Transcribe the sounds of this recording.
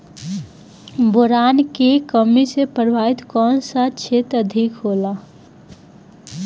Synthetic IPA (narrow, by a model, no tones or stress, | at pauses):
boɾaːnkekəmisepəɾbʱaɪt̪kɔːnsat͡ʃʰet̪əd̪ʱikɦola